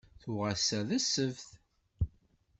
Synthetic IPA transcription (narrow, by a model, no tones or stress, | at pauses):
θʊʁasæðæsəvθ